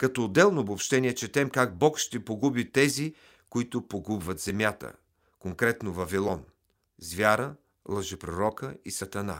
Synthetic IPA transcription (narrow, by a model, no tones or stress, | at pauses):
kɐt̪ɔːd̪ːɛlˠnoːbopʃt̪ɛniɛt͡ʃɛt̪ɛmkaɡ̚bɔkʃt̪ɛpoɡubit̪ɛzi | koit̪ʊpoɡubvɐt̪z̥ɛmʲjat̪ə̰ | koŋkɾɛt̪novɐvilˠɔn | zvʲjaɾə | lˠɐʒɛpɾoɾɔkəisɐt̪ɐna̰